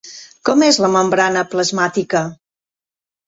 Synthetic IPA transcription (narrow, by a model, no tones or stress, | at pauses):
kɔmezləməmbɾanəpləzmat̪ikə